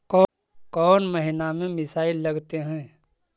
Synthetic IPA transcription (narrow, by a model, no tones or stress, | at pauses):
kɔ | kɔːnmɐɦɪnamẽmɪsaːɪlːɐɡt̪eɦɛ̃ː